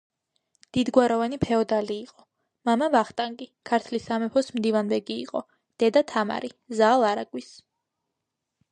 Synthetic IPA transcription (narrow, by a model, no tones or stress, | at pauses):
d̪̥id̪ɡwaɾɔvanipʰɛɔd̪aliːqʼɔ | mamavaχt̪ʼaŋɡʼikʰaɾt̪ʰlisamɛpʰɔsmd̪ivanbɛɡḭːqʼɔ | d̪̥ɛd̪at̪ʰama̰ɾizaːlˠaɾaɡʼwis